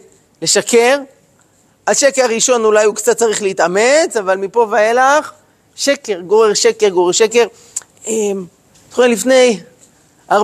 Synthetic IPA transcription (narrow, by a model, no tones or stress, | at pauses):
le̞ʃakeʁ | aʃekeaʁiʃo̞nulajukt͡sat̪̚t͡saʁiχleit̪ame̞t͡savalmipo̞vaelaχ | ʃekeʁɡoʁeʃekeʁɡoʁeʃeke̞ʁ | em | tχoelifne̞j | aʁ